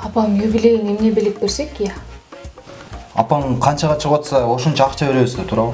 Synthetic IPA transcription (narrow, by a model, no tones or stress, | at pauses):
ɑpɑmjubɪle̞jnemnebelek̚be̞ɾse̞kjæ | ɑ̰pɑnqʰɑnt͡ʃɑʁɑt͡ʃʰəqwot̪sɑwo̞ʃont͡ʃɑːqt͡ʃɑbeɾe̞βɪsd̪et̪ʰuːɾɑlˠ